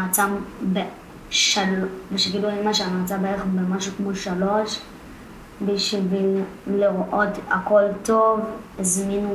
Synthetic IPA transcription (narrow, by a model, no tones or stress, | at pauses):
at͡sambe | ʃalbeʃeɡiduemaʃeamaːt͡sabeeχbemaʃukmoʃalo̞ʃ | biʃivileʁʔo̞t̪akolt̪o̞vizminu